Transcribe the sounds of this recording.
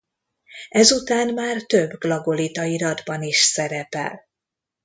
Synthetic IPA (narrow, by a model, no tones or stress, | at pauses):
ɛzut̪aːnmaːrt̪ø̞bːɡlɒɡo̞lit̪ɒiɾɒd̪bɒniʃsɛɾɛpɛ̰l